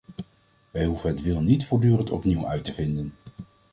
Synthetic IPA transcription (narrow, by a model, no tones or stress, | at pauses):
ʋɛjɦuvənɦətʋɪlˠnitfʊːɹdyːrəntɔ̰pniwœ̰ɥtəvɪndən